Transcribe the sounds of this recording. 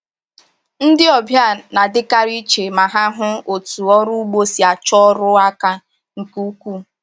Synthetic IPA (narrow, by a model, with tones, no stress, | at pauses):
n̩˦dɪ˦ɔ˨bja˦˨na˨dɪ˦ka˦ɾi˦t͡ʃe˨ma˨ɦa˦ɦʊ˦o˨tu˨ɔ˦ɾu˦ɡ͡bo˦si˨a˨t͡ʃɔ˦ɾʊ˦a˦ka˦ | ŋ̩˨ku˦kʷu˦